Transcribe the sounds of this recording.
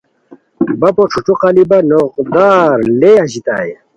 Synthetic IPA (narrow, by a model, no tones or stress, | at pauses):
bɐpoʈ͡ʂʰuʈ͡ʂuqalibɐnoqd̪aːɾleɐɕit̪a̰j